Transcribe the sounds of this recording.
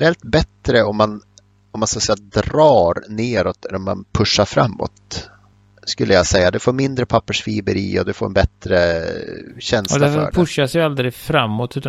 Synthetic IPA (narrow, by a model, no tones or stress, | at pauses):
ɾɛlt̪̚bɛt̪ɾəɔmːan | ɔmːanskasɛjːad̪ɾɑːɾneːɾɔt̪ɛɔmːa̰npʰɵʂːaɾfɾa̰mːɔ̰t̪ | skɵlːəjasɛjːad̪ɛfoːɾmɪnd̪ɾəpʰapːəʂfiːbəɾḭːɔ̰d̪ɛfoːɾɛnbɛt̪ɾə | ɕɛnslaɛfœːɖpʰɛɵʂasjald̪ɾɪfɾamːɔt̪ʉ̟ːt̪a